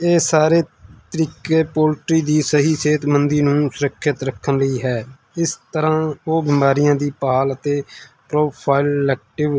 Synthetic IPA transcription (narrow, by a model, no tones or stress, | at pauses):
eːsaːɾeːt̪əɾiːkeːpoːlʈɾiːd̪iːsəɦiːseːt̪mənd̪iːnũːsʊɾəkʰːɪt̪ɾəkʰːənləiːɦɛː | ɪst̪əɾãːoːbɪːmaːɾɪjãːd̪iːpaːlət̪eːpɾoːpʰaːɪlɛːk̚ʈɪʋ